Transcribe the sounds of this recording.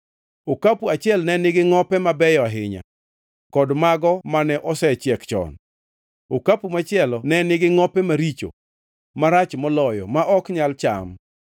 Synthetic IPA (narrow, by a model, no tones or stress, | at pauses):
okapuat͡ʃɪɛlnɛnɪɡɪŋɔpɛmabɛjɔaɦɪɲa̰ | kɔdmaɡɔmanɛʔɔsɛt͡ʃɛkt͡ʃɔ̰n | okapumat͡ʃɪɛlɔnɛnɪɡɪŋɔpɛmaɾit͡ʃo̰ | maɾat͡ʃmɔlɔjɔ̰maʔɔkɲalt͡ʃa̰m